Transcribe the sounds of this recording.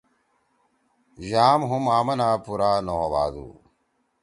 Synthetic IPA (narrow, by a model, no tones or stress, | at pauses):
ʑaːmɦumaːmɐnaːpuɾaːnoɦɐʋa̰ːd̪ṵː